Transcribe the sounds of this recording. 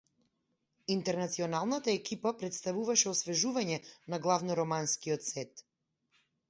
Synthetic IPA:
int̪ɛɾnat̪siɔnalˠnat̪aɛkipapɾɛt̪st̪avuvaʃɛɔsvɛʒuvaɲɛnaɡlˠavnɔɾɔmanskiɔt̪sɛt̪

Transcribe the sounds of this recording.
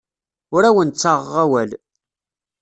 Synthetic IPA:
ʊɾæwənt͡sːaʁæwæl

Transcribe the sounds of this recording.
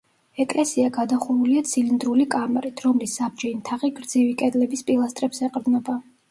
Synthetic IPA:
ɛkʼlɛsiaɡad̪aχuɾuliat̪sʰilind̪ɾulikʼamɛɾit̪ʰɾɔmlisːab̚d͡ʒɛimt̪ʰaʁiɡɾd̪zivikʼɛd̪lɛbispʼilˠast̪ʼɾɛpsɛqʼɾd̪nɔba

